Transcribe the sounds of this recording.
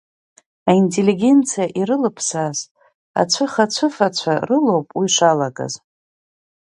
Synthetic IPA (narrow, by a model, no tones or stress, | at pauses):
aintʰʼe̞lːiɡʲe̞nt͡sʰijaʔiɾɨlɨpʰsaz | a̰t͡sʷʰɨχat͡ɕʷʰɨfat͡ɕʷʰarɨlo̞wpʼwiʂʷalakʼa̰z